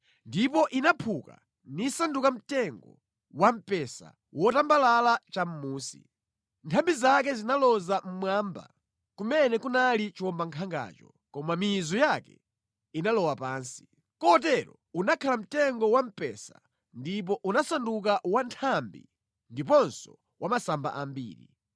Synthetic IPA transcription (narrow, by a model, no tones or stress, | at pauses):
ndipɔʔinapʰuka̰ | nisandukam̩tɛŋɡɔ̰ | wam̩pɛsa̰ | wɔtambalalat͡ʃam̩muːsḭ | ntʰambizak̬ɛzinalɔzam̩mwaːmba̰ | kumɛnɛkunalit͡ʃiwɔmbaŋkʰaŋɡa̰ːt͡ʃɔ̰ | kɔmamizɔjakɛ̰ | inalɔwapaːnsi̥ | kɔt̬ɛɾɔ̰ | unakʰalam̩tɛŋɡɔwam̩pɛ̰sa | ndip̬ɔʔunasanduk̬awantʰambḭ | ndip̬ɔnsɔ | wamasamba̰ʔambḭːɾḭ